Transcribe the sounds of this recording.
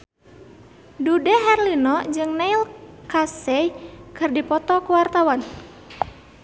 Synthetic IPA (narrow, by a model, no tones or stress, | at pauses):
dudɛɦɛrlinɔd͡ʒɨŋnɛilkasɛjkɨrdipɔt̪ɔkuwart̪awan